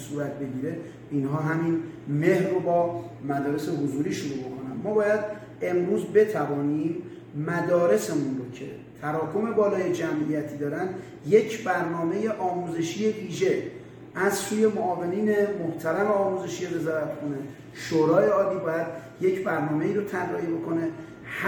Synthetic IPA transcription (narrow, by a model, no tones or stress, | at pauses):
suːɾæt̪̚be̞ɟiːɾe̞ | inɦɒːɦæminme̞hro̞bɒːmæd̪ɒːɾe̞se̞ɦozuɾiːʃoɾuːɾbokʰo̞nænmɒːbɒːjæd̪ | e̞mɾuːzbe̞t̪ʰævɒːniːmː | æd̪ɒːɾe̞se̞munɾo̞cʰe̞̰ | t̪ʰæɾɒːkʰo̞me̞bɒːlɒːje̞d͡ʒæmʔijæt̪ʰiːd̪ɒːɾænd̪ | je̞cʰbæɾnɒːme̞je̞ʔɒːmuːze̞ʃije̞viːʒe̞ | æzsuːje̞moɒːve̞niːne̞moht̪ʰælæmeɒːmuːze̞ʃiːjeve̞zɒːɾæt̪kʰo̞ne | ʃoːɾɒːjeɒːlːiːbɒːjæd̪̥je̞cʰbæɾnɒːme̞iːɾot̪ʰæɾrːɒːhibo̞kʰo̞ne̞ | h